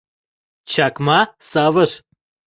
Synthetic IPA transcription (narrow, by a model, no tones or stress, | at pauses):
t͡ɕʰakmasaːʋəʃ